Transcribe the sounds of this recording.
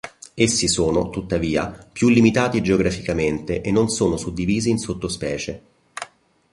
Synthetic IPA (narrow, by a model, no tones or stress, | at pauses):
esːisoːnot̪ut̪ːaviːa̰pjulːimit̪aːt̪id͡ʒeoɡɾafikament̪eʔenːonsoːnosud̪ːiviːziːnsot̪ːospɛːt͡ʃe